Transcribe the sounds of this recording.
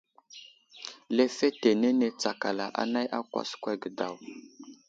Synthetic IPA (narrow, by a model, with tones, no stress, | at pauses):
le˦fe˦te˨ne˦ne˨t͡sa˨ka˨la˨ʔa̰˦na˦jʔa˦kwa̰˨skʷa˦ɡə˨da˨w